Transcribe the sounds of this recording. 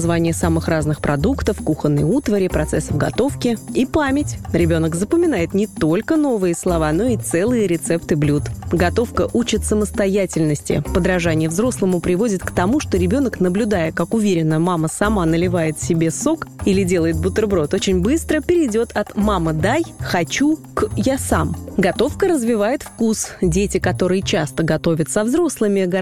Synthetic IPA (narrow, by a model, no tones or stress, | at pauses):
zvanʲɪjəsamɨxraznɨxpɾɐd̪ukt̪əfkuxənːə̰jut̪vəɾʲɪpɾɐt̪sɛsːəvɡɐ̰t̪o̞fkʲɪipamʲɪtʲɾʲɪbʲo̞nəkzəpəmʲɪn̪ajɪt̪nʲɪt̪o̞lʲkəno̞vɨjəslˠɐvan̪o̞it̪sɛlˠɨjəɾʲɪt̪sɛpt̪ɨblʲut̪ɡɐt̪o̞fkəʔut͡ɕɪt̪səməst̪ɐjatʲɪlʲnəsʲtʲɪ̰pəd̪ɾɐʐanʲɪjəvzɾo̞slˠəmʊpɾʲɪvo̞dʲɪt̪kt̪ɐmuʂt̪o̞ɾʲɪbʲo̞nəknəblʲʊd̪ajɪkakʊvʲeɾʲɪnːəmaməsɐmanəlʲɪvajɪt̪fsʲɪbʲe̞so̞kilʲɪdʲe̞lˠəjɪt̪̚bʊt̪ərbɾo̞t̪ot͡ɕɪnʲbɨst̪ɾəpʲɪɾʲɪdʲo̞t̪ʰɐt̪maməd̪ajxɐt͡ɕukjasa̰mɡɐt̪o̞fkəɾəzvʲɪvajɪt̪fkusdʲetʲɪkɐt̪o̞ɾɨjɪt͡ɕast̪əɡɐt̪o̞vʲət̪sɐvzɾo̞slˠɨmʲɪɡɐ